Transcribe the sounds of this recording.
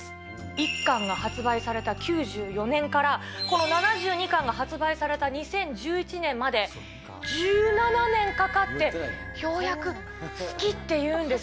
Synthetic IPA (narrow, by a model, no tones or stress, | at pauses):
ikːãŋɡahat͡sɨbaisaɾe̞t̪akʲɨːʑɨːjo̞nẽ̞ŋkaɾako̞no̞nanaʑɨːɲ̟ikãŋɡaɦat͡sɨbaisaɾe̞t̪aɲ̟isẽ̞ɲ̟d͡ʑɨːit͡ɕinẽ̞mːad̪e̞ | d͡ʑɨːnananẽ̞ŋkakat̪ːe̞çʲo̞ːjakɯ̟ | sɨ̥kʲit̪ːe̞jɯ̟̃ːnd̪e̞